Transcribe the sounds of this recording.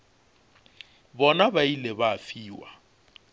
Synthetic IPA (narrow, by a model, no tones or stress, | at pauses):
bɔnabailebaːfiːwa